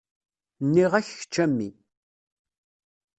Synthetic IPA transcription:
nːiʁæççə̥t͡ʃːæmːḭ

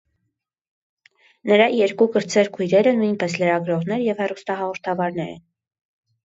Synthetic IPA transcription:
nəɾɑjɛɾkukəɾt͡sʰɛɾkʰujɾɛɾənujnpɛsləɾɑɡɾɔʁnɛɾjɛvhɛrust̪ɑɦɑʁɔɾt̪ʰɑvɑɾnɛɾə̰

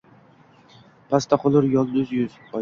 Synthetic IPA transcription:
pʰast̪ʰaqʰʊlˠɪɾjɒlˠd̪ʊzjʊz̥ | ɒ

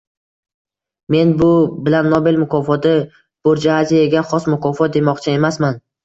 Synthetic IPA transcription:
me̞nbʊbɪlanːobelmʊkʰɒfɒd̪ɪ | b̥oɾd͡ʒaazijaɡʲaχɒsmʊkʰɒfɒt̪̚d̪e̞mɒqt͡ʃʰɪe̞masman

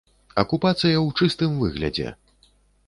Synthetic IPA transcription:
ɐkupat̪sɨjɐwt͡ʂɨst̪ɨmvɨɣlʲɐ̰d͡zʲɛ̰

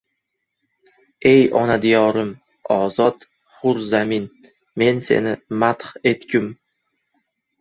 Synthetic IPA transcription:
e̞jɒ̰nad̪ijɒɾɪm | ɒzɒt̪ | χʊɾzamɪn | me̞nse̞̰nɪmat̪he̞t̪kʲʰʊm

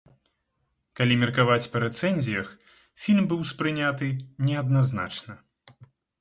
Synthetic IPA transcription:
kalʲimʲɛrkavat͡sʲpɐɾɛt̪sɛnʲzʲijɐx | fʲilʲmbɨwspɾɨnʲat̪ɨnʲɛɐd̪̚nazna̰t͡ʂnɐ

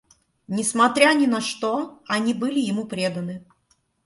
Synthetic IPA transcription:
nʲɪsmɐt̪ɾʲanʲɪnɐʂt̪oɐnʲibɨlʲɪjɪmupɾʲed̪ənɨ

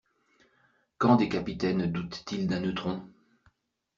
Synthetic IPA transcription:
kɑ̃d̪ekapit̪ɛnd̪ut̪ːild̪ɛ̃nøt̪χɔ̃

